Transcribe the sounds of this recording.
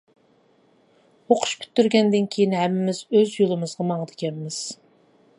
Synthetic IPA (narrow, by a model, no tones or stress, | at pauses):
oqʰʊ̥ʃpʰʲy̥t̪ːyɾɡʲɛnd̪ɪnkʲʰejinɦhɛmɪmɪzøzjolˠɨmɨzʁɑmɑɴəd̪ɨkʲɛnmɪz̥